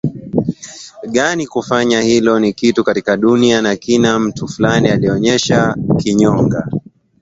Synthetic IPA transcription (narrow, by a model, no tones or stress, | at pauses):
ɠanikufaɲahilɔnikitukatikaɗunianakinam̩tufulanialiɔɲɛʃakiɲɔŋɡa